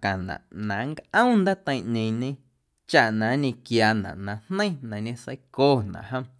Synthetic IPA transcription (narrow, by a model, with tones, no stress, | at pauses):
kã˨nã̰˨ʔnã˨˦ŋkʔə̃˦wnd̪a˦t̪ə̃˧j̃ʔɲẽ˧ɲẽ˧ | t͡ʃa˧ʔnã˨˦ɲẽ˧kjaː˧nã̰˨ʔnã˧nnə̃˦j̃nã˨ɲẽ˧sə̰˧˦jkoː˦˨nã̰˨ʔhə̃˧m